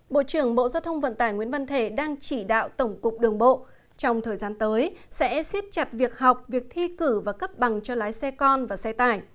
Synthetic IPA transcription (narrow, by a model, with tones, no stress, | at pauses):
ɓo̰˧˨t͡ɕɨ˧˩əŋɓo̰˧˨zaː˧wt̪ʰə˧wŋ͡mvə̰˧˨nt̪aː˧˩jŋwḭ˧˥ənvə˧nt̪ʰe˧˩ɗaː˧ŋt͡ɕi˧˩ɗa̰ː˧˨wt̪ə˧˩wŋ͡mkʊ˨˩k͡p̚ɗɨ˨˩əŋɓo̰˧˨ | t͡ɕɔ˧wŋ͡mt̪ʰəː˨˩jzaː˨˧nt̪əː˨˦jsɛ̰˧˥si˦˥ət̚t͡ɕa˨˩t̚vi˨˩ək̚ɦa˨˩wk͡p̚vi˨˩ək̚t̪ʰi˧kɨ˧˩vaː˨˩kə˦˥p̚ɓa˨˩ŋt͡ɕɔ˧laː˨˦jsɛ˧kɔ˧nvaː˨˩sɛ˧t̪aː˧˩j